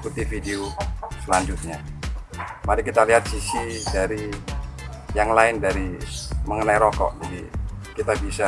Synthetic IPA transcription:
put̪ifideosəlaɲd͡ʒʊt̪̚ɲa | maɾikit̪aliɦat̪̚sisidaɾi | jaŋlaɪndaɾiməŋənaiɾɔkɔ̰ʔd͡ʒadḭkit̪abisa

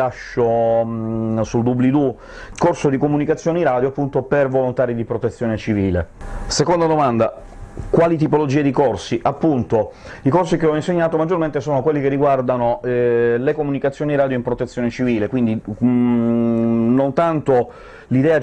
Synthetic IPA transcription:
aʃːo | suld̪ublid̪u | korsod̪ikomunikat̪sːjoːneiɾad̪joapːunt̪opervolont̪aːɾid̪ipɾot̪et̪sːjoːnet͡ʃiviːlḛsekond̪ad̪omand̪a | kwaːlit̪̬ipolod͡ʒiːed̪ikorsiʔapːunt̪o | ikorsikeɔinseɲːaːt̪omad͡ʒːorment̪esoːnokwelːikerːiɡward̪anolekomunikat̪sːjoːniiɾaːd̪joimpɾot̪et̪sːjoːnet͡ʃiviːlekwind̪i | nont̪ant̪o | lid̪ɛːa

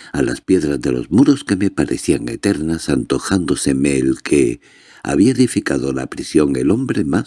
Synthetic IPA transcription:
ala̰spje̞ðɾazðe̞lo̞̰zmuɾo̞ske̞me̞paɾe̞θiaŋe̞̰t̪e̞ɾnasant̪o̞xand̪o̞se̞me̞ːlkʰe̞ | a̰βiaeðifikaðo̞la̰pɾisjo̞ŋe̞lo̞mbɾe̞mas

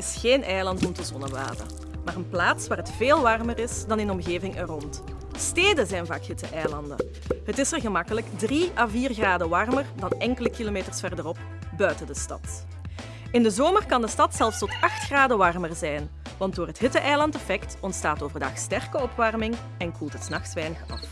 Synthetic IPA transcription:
ɪsxeːnʔɛjlɑntɔmtəzɔnəʋa̰ːdə̰ | maːrənplaːtsʋaːrətfeːlˠʋɑrmərɪsdɑnɪnɔmɣeːvɪŋʔɛrɔnt | steːdəzɛjnva̰ːkɦɪtə̰ʔɛjlɑndə̰ | ɦətɪsərɣəmɑkələkdriaːviːrɣraːdəʋɑrmərdɑnɛŋkələkiloːmeːtərsfɛrdərɔp̚ | bœɥtədəstɑ̰t | ɪndəzoːmərkɑndəstɑtsɛlˠfstɔtɑxtxraːdəʋɑrmərzɛjn | ʋɑnt̚doːrɦətɦɪtəʔɛjlɑntɛfɛktɔntstaːtoːvərdɑxstɛrkəɔpʋɑrmɪŋ | ɛnkʰulˠtɦətsnɑxsʋɛjnəxɑ̰f

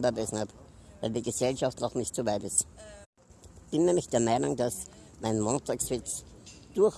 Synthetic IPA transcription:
bəɐbɛsn̩hapvæɪldiːɡəsɛlʃaftnɔχnɪçtt͡sovaɪtɪst | b̥ɪnnɛːmɪçd̥eːɐmaɪnʊŋd̥as | maɪnmoːntʰaːksv̥ɪt͡sd̥uɐx

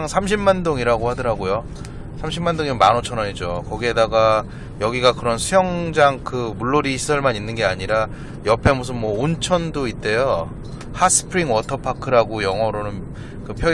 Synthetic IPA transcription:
ŋsʰamɕʰimmandoŋiɾaɡohadɯɾɦaɡojo | sʰamɕʰimːandoŋiɯnmanot͡ɕʰʌɾʌɲid͡ʑokʌɡiɦe̞daɡa | jʌɡiɡakɯɾʌnsʰujʌŋd͡ʑaŋkɯmuɭːoɾiɕʰi̥sʰʌɭmaninːɯnɡe̞aɲiɾa | jʌpʰe̞mus̬ʰɯnmwʌont͡ɕʰʌndoit̚t͈e̞jo | hasʰɯ̥pʰɾiŋwʌtʰʌpʰakʰɯɾaɡojʌŋɦʌɾonɯn | kɯpʰjʌ

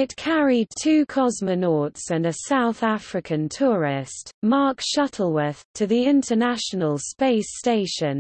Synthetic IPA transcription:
ɪtkʰaɹid̚tʰʉːkʰɒzmənɔˑtsə̃nəsaʊθafɹɪkʰə̃ntʰɔːɹɪstmɑˑkʃʌtʰˡəl̩ˠwəð̥tʰəðiɪ̃ntʰənaʃənəlˠspeɪsteɪʃə̃n

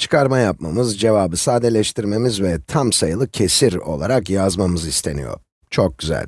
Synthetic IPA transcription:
t͡ʃʰɯ̥kʰaɾmajap̚mamɯzd͡ʒe̞vaːbɯsaːd̪elʲɛʃt̪ʰiɾme̞mizvɛt̪ʰamsajɯlˠɯcʰe̞siɾo̞̰lˠaɾakjazmamɯzist̪ʰe̞̰nḭjo̞̰ɾ | t͡ʃʰok̚ɟ̥yzæ̰lʲ

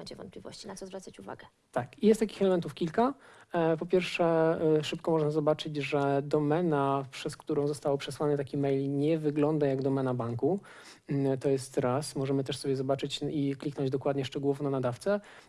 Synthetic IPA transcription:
ɛɲt͡ɕɛvɔnt̪̚plʲivɔ̰ɕt͡ɕinat̪sɔzvɾat̪sat͡ɕuva̰ɡɛ | t̪akijɛst̪ːakʲi̥xɛlɛmɛnt̪ufkʲilkapɔpʲjɛɾfʂɛʂɘpkɔmɔʐnazɔbat͡ʂɘd͡ʑʐɛd̪ɔmɛnapʂɛskt̪uɾɔ̃w̃zɔst̪awɔpʂɛswanɛt̪akʲimɛjlɲɛvɘɡlɔnd̪ajaɡd̪ɔmɛnabaŋku | t̪ɔjɛst̪ɾasmɔʐɛmɘt̪ɛʂsɔbjɛzɔbat͡ʂɘt͡ɕiklʲiknɔɲd͡ʑd̪ɔkwad̪ɲɛʂt͡ʂɛɡuɔvɔ̃nanad̪aft̪sɛ

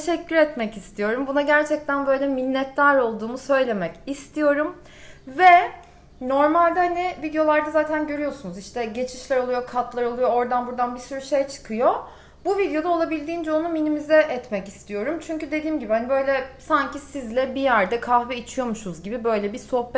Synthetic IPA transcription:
eʃɛcʰːyɾɛt̪mɛcist̪ʰijo̞ɾumbunaɟæɾt͡ʃʰɛc̚t̪ænbø̞jlʲɛminːɛt̪ːaɾo̞lˠd̪uːmusø̞jlʲe̞mɛcist̪ʰijo̞ɾum | vɛ | no̞ɾmalʲd̪ɛhanivid̪ijo̞lˠaɾd̪azaːt̪ʰænɟø̞ɾyjo̞sunuziʃt̪ʰɛɟe̞t͡ʃʰiʃlʲæɾo̞lˠujo̞kʰat̪lˠaɾo̞lˠujo̞oɾd̪anbuɾd̪anbisyɾyʃe̞jt͡ʃʰɯ̥kʰɯjo̞ | buvid̪jo̞d̪ao̞lˠabilʲd̪iːnd͡ʒɛonuminimizɛʔɛt̪mɛcist̪ʰijo̞ɾumt͡ʃʰyɲcyd̪e̞d̪iːmɟibihanibø̞jlʲɛsaɲcʰisizlʲɛbijæɾd̪ɛkʰahvɛit͡ʃʰijo̞muʃuzɟibibø̞jlʲɛbiso̞hp

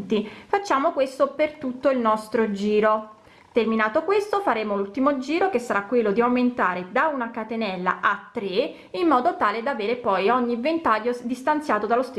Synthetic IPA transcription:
t̪ifat͡ʃːaːmokwest̪opert̪ut̪ːoilnɔst̪ɾod͡ʒiːɾo | t̪erminaːt̪okwest̪ofaɾeːmolult̪imod͡ʒiːɾokesːaɾakːwelːod̪iawment̪aːɾed̪aunakat̪enɛlːa̰ʔat̪ːɾe | imːɔːd̪ot̪aːled̪aveːɾepɔjɔɲːivent̪aʎːod̪ist̪ant̪sjaːt̪od̪alost̪

